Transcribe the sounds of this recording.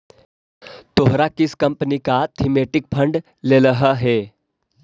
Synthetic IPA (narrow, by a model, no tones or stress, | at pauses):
t̪oɦɾakiskəmpənikat̪ʰimeʈik̚pʰəɳɖ | leləɦəɦe